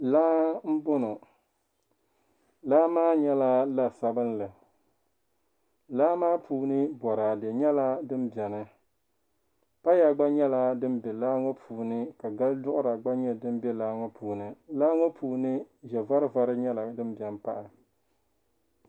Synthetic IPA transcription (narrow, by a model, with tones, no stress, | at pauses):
laː˦m̩˦bʊ˦nʊ˨ | laː˦maː˦ɲɛ˦la˦la˦sa˦bɨ˦nlɨ˨ | laː˦maː˦pʰuː˨˦nɨ˦bɔ˨ɾa˨dɛ˨ɲɛ˦la˦dɨ˦mbɛ˨nɨ˦ | pa˦ja˨ɡ͡ba˦ɲɛ˦la˦dɨ˦mbɛ˨laː˦ŋɔ˦pʰuː˨nɨ˦ka˨ɡa˦ldʊ˦ʔʊ˦ɾa˨ɡ͡ba˦ɲɛ˦dɨ˦m˦bɛ˦laː˦ŋɔ˦puː˨nɨ˨laː˦ŋɔ˦pʰuː˨nɨ˦ | ʒɛ˨va˦ɾɨ˦va˦ɾɨ˦ɲɛ˦la˨dɨ˦mbjɛ˨m˦pa˦ʔɪ˨